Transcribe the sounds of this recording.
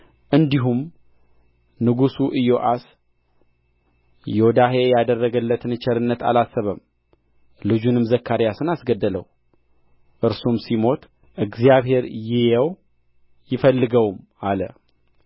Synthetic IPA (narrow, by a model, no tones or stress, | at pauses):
ʔɨnd̪iɦum | nɨɡusuʔɨjoʔas | jod̪aɦejad̪ərːəɡəlːət̪ɨnɨt͡ʃʰɛɾɨnːət̪a̰lasːəβəm | lɨd͡ʒunɨmzəkʰːaɾjasɨnasɡəd̪ːələ̰w | ʔɨɾsumsimo̞t̪ | ʔɨɡzijaβɦe̞ɾjɪjɛw | jɪfəlːɨɡəwm | alə̰